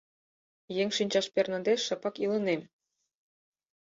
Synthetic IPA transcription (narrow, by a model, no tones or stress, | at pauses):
jeŋʲʃinʲt͡ɕɑʃpʲernɑ̆d̪eʃɤ̆pɑkilɤ̆nem